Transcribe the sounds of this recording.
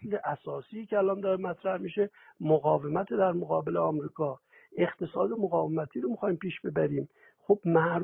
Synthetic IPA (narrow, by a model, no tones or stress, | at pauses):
leʔæsɒːsiːcʲʰeælɒnd̪ɒːɾemæt̪ʰɾæhmiʃe̞ | moɣɒːve̞mæt̪ʰed̪æɾmoɣɒːbe̞leɒːmɾiːkʰɒː | e̞χt̪ʰe̞sɒːd̪emoɣɒːvemæt̪ʰiːɾomixɒːjimpiːʃb̥e̞bæɾiːm | xob̥mæɾ